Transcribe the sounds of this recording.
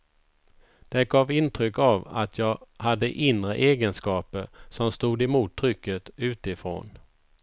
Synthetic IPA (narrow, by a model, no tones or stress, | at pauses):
d̪̥ɛɡɑːvɪnt̪ʰɾʏkːava̰t̪ʰjɑːɡhad̪ːəʔɪnɾəʔeːɡənskɑːpəɾsɔmst̪uːd̪ɪmuːt̪ʰːɾʏkːət̪ʉ̟ːt̪ɪfɾo̰ːn